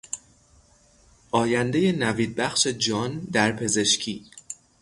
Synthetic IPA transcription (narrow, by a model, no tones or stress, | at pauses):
ʔɒːjænd̪eje̞næviːd̪̚bæxʃe̞d͡ʒɒːnd̪æɾpʰe̞ze̞ʃcʰiː